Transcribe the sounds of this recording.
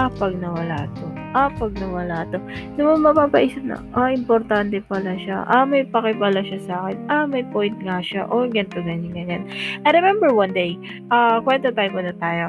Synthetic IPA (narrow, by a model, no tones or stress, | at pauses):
ʔɐpɐɡ̚nɐwɐlaːt̪o | ʔɐpɐɡ̚nɐwɐlaːt̪o̞somɐmɐpaːpɐʔiːsɐp̚nɐ̰ʔaʔɪmpoɾt̪ant̪ɛpɐlaʃa̰ʔɐmɐjpɐkɪvaːlaʃasaːkɛnɐmɐjpojnt̪̚ŋaʃaʔoɡɐnt̪ʊɡɐɲɪɡɐɲanʔɐjɾɛmɛmbɛɹwɐnd̪ej | ʔakwɛnt̪ot̪ajmkʊnɐt̪aːjo